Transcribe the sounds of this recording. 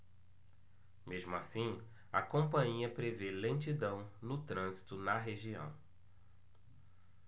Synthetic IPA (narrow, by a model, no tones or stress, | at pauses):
meʒmʊasĩ | ɐ̰kõmpɐ̃ɲiɐpɾevelẽt͡ʃid̪ɐ̃w̃nʊt̪ɾɐ̃zit̪ʊnɐɦeʒiɐ̰̃w̃